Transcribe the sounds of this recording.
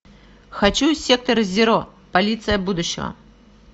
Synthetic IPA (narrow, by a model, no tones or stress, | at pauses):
xat͡ɕusʲɛk̚t̪ɐɾɨzʲɪɾɔ | palʲit̪sɨjɐbud̪ʊɕːɪ̰ɣɐ̰